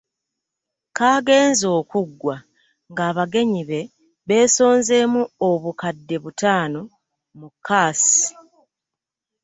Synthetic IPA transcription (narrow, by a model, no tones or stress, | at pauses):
kaːɡe̞ːnzo̞ːkuɡːwa | ŋɡaːβaɡe̞ɲiβe̞ | βe̞ːso̞ːnze̞muoβukadːe̞βutaːno̞ | mukʰːaːsi̥